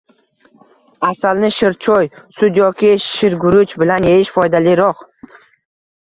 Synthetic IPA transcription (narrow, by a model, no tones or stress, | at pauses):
asalnɪʃɪɾt͡ʃʰɔjsʊd̪jɒkʲɪʃɪɾɡʊɾʊt͡ʃbɪlanjeɪʃfɒjd̪alɪɾɒq